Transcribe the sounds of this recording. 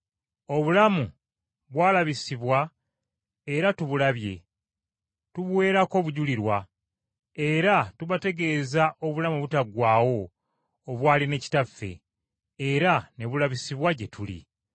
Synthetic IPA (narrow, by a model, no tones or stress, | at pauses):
o̞βulamu | βwaːlaβisiβwa | e̞ɾatuβulaβje̞̰ | tuβwe̞ːɾako̞βuɟuliɾwa | e̞ɾatuβate̞ɡe̞ːzaʔo̞βulamuβutaɡwaːwo̞ː | βwaːline̞ci̥tafːe̞̰ː | ɾane̞βulaβisiβwaɟe̞tulḭ